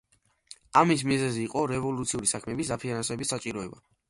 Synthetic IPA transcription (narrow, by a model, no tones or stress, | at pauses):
amis̬mizɛziːqʼɔɾɛvɔlˠut̪sʰiuɾisakʰmɛːbisd̪apʰinnansɛbisat͡ʃʼiɾɔɛba